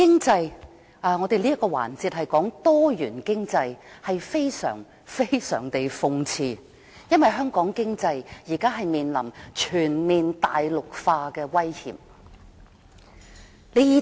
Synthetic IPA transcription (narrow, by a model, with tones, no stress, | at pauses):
kɪ˥ŋt͡sɐ˧j | ʔːŋɔː˨˧t̪e˨jliː˥ɐ˥t̚kɔː˧wa̰ː˨˩nt͡siː˧t̚hɐ˨jkɔː˨˥ŋt̪ɔː˥jyː˨˩nkɪ˥ŋt͡sɐ˧jhɐ˨jfe˥jsœ̰ː˨˩ŋ | fe˥jsœ̰ː˨˩ŋt̪e˨jfʊ˧ŋt͡sʰiː˧ | jɐ˥nwɐ˨˩jɦœː˥ŋkɔː˨˥ŋkɪ˥ŋt͡sɐ˧jjiː˨˩kaː˥ɦɐ˨jmiː˨nlɐ˨˩mt͡ʃʰyː˨˩nmiː˨nt̪aː˨jlʊ˨k̚faː˧kɛː˧wɐ˥jhḭː˨˩m | le˨˥˧i˨˧